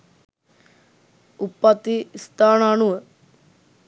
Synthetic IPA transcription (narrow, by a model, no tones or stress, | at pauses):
upːɐt̪ːist̪aːnanuə